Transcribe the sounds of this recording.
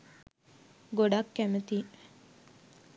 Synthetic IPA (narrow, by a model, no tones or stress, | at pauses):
ɡoɖɐkːæmət̪i